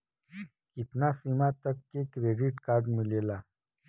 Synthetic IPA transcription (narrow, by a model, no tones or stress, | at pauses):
kit̪nasimat̪ɐkːekɾeːɖiʈkaːɾɖmilelaː